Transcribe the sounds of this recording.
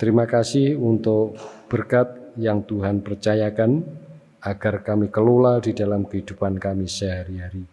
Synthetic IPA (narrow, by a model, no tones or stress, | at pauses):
t̪əɾimakasɪhunt̪ʊkb̥ərkat̪̚jaŋt̪uɦanpərt͡ʃajakan | aɡ̥arkamikəlolaldidalamkəid̪̥upankamisəɦaɾiɦaɾi